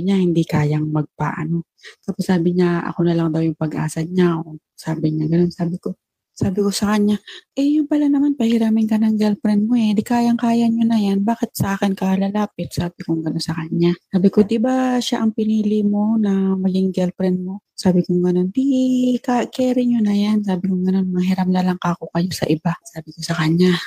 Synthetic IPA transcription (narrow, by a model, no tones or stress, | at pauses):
bɪɲahɪnd̪ikaːjɐŋmɐɡ̚pɐ̰ʔɐ̰no̞ | t̪aːposːaːbɪɲaʔɐ̰ko̞nɐlaŋd̪ɐwjʊŋpɐɡʔa̰ːsɐɲaʔo | saːbɪɲaɡɐno̞nsaːbɪko̞ | saːbɪko̞sɐkɐɲːaʔɛjʊŋpɐlanɐmanpɐhɪɾaːmɪŋkɐnɐŋɡɛlpɾɛnd̪̚moɛd̪ɪkaːjɐŋkaːjɐɲonɐjanbaːkɪt̪̚sɐʔaːkɪnkɐlɐlaːpɪt̪̚saːbɪkʊŋɡɐno̞nsɐkɐɲːasaːbɪkod̪ɪbaʃaʔɐŋpɪniːlɪmo̞nɐmɐɡɪŋɡɛlpɾɛnd̪̚mo̞saːbɪkʊŋɡɐno̞nd̪ikakɛːɾɪɲonɐjansaːbɪkʊŋɡɐno̞nmɐɦɪɾɐmlalaŋkakokɐjo̞sɐ̰ʔɪbasaːbɪko̞sɐkɐɲa